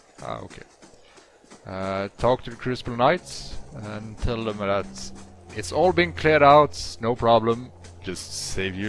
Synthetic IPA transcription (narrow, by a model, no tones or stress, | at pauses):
ʔa̰o̰ʊkʰḛɪ | ʌtʰɔk̚tʰɨkʰɹ̥ɪspl̩ˠnaɪtsɨə̃ntʰɛlˠðə̃mðətɪtsɔlˠbĩŋkʰl̥ɪɹɾaʊtnoʊpʰɹ̥ɑblə̃m | d͡ʒʌstseɪvjɨ